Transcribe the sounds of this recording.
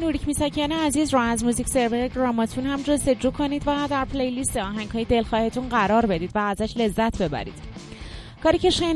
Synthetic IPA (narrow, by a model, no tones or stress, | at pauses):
nuɾicʰmiːsɒcʰeneæziːzɾuæzmuzicse̞ɾveɾeɡɾɒːmɒt̪ʰunhæmd͡ʒo̞st̪e̞d͡ʒuːkʰo̞niːd̪væd̪æɾpʰlejlist̪eɒːɦæŋhɒːjed̪e̞lxɒːhe̞t̪ʰunɢæɾɒːɾbe̞d̪iːd̪væːzæʃle̞zːæt̪ʰbe̞bæ̰ɾḭːd̪̥ | kʰɒːɾiːce̞ʃen